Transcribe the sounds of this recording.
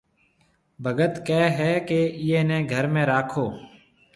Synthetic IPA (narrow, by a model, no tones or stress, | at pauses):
bʱəɡət̪keːɦɛːkeːiẽːnẽːɡʱəɾmẽːɾaːkʰoː